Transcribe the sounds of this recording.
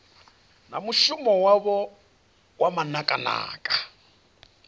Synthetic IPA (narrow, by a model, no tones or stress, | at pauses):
na̰muʃʊmɔwaβɔ | wamanakʼana̰ːkʼḁ